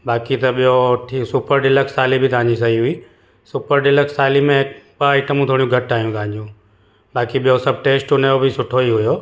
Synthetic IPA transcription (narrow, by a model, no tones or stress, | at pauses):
ɓaːkit̪ɐɓijoʈʰiːsuːpəɾɖɪləksaːlibʱɪt̪ãːɲd͡ʑis̬ɐɦiɦʊiː | suːpəɾɖɪləksaːlimẽɪk̚ɓaiːʈəmũt̪ʰoːɽijũɡʱɐʈaːɦijũt̪ãːɪ̃ɲd͡ʑũː | ɓaːkiɓijosɐb̚ʱʈeːsʈʊnejobʱɪsʊʈʰoiɦʊjoː